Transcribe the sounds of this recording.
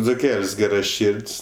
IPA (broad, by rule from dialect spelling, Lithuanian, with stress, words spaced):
d͡zʊˈkʲɛlʲsʲ ˈɡʲæːrɐˌʃʲɪrʲtʲsʲ